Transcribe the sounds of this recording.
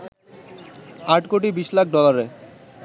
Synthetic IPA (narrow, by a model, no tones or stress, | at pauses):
aʈkoʈibiʃlak̚ʰɖɔlaɾe